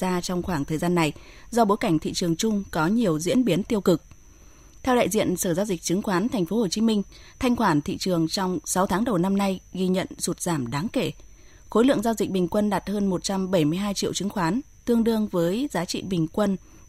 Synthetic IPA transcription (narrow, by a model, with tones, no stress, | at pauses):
zaː˧t͡ɕɔ˧wŋ͡mxwaː˧˩ŋt̪ʰəː˨˩jzaː˧nːa˨˩jzɔ˧ɓo˨˦jka˧˩ŋ̟t̪ʰḭ˧˨t͡ɕɨ˨˩əŋt͡ɕʊ˧ŋ͡mkɔ˨˦ɲi˨˩əwzḭ˧˥ənɓi˨˦ənt̪i˧əwkɨ˨˩k̚ | t̪ʰɛ˧wɗa̰ː˧˨jzḭ˧˨ənsəː˧˩zaː˧wzi˨˩k̚t͡ɕɨ˨˦ŋxwaː˨˦nt̪ʰɛ˨˩ŋ̟fo˨˦ho˨˩t͡ɕi˨˦mï˧ŋ̟ | t̪ʰa˧jŋ̟kwaː˧˩nt̪ʰḭ˧˨t͡ɕɨ˨˩əŋt͡ɕɔ˧wŋ͡msa˨˦wt̪ʰaː˨˦ŋɗə˨˩wna˧mna˧jɣi˧ɲə̰˧˨nsu˨˩t̚z̥aː˧˩mɗaː˨˦ŋke˧˩ | xo˨˦jlɨ̰˧˨əŋza˧wzi˨˩k̚ɓï˨˩ŋ̟kwə˧nɗaː˨˩t̚həː˧nmo˨˩t̚t͡ɕa˧mɓə˧˩jmɨ˧əjɦaː˧jt͡ɕḭ˧ə˨wt͡ɕɨ˨˦ŋxwaː˨˦n | t̪ɨ˧əŋɗɨ˧əŋvəː˨˦jzaː˨˦t͡ɕḭ˧˨ɓï˨˩ŋ̟kwə˧n